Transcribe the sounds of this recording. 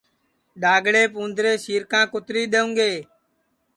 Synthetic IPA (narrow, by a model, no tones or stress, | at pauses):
ɗaːɡɽeːpũːnd̪ʱɾeːsiːɾkãːkʊt̪ɾiːɗ̪eːũːŋɡeː